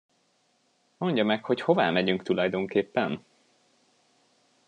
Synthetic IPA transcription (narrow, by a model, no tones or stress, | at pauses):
mo̞ɲɟɒmɛkho̞cho̞va̰ːmɛɟyŋkt̪ulɒjd̪o̞ŋkeːpːɛn